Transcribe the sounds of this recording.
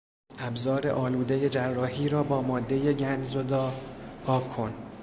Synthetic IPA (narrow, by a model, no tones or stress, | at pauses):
ʔæbzɒːɾe̞̰ʔɒːluːd̪eje̞d͡ʒærːɒːhiːɾɒːbɒːmɒːd̪ːe̞je̞ɟænzo̞d̪ɒːhɒːo̞n